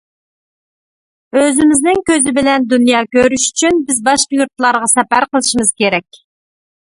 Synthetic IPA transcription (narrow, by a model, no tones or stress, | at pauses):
øzɪmɪznɪŋkʲøzɪbɪlɛnd̪unjɑːkʲøɾyʃy̥t͡ʃʰynbɪzbɑʃqjuɾt̪ʰlˠɑɾʁɑsɛpæɾqəlˠɨʃimɨz̥kʲeɾɛkʲ